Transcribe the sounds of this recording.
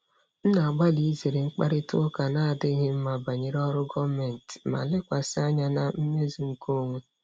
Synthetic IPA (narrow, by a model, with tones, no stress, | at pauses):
n̩˦na˨a˨ɡ͡ba˦li˨i˦ze˨ɾe˨ŋ͡m̩˦k͡pa̰˦ɾɪ˦tʊ˦ka˨na˦a˨dɪ˦ɦɪ˦m̩˦ma˨ba˨ɲe˨ɾɔ˦ɾʊ˦ɡɔ˦me˨n̩˨tma̰˨lɪ˦kʷa˨sɪ˦a˦ɲa˦na˨m̩˦me˦zi˨ŋ̩˨ko˦˨ŋʷu˦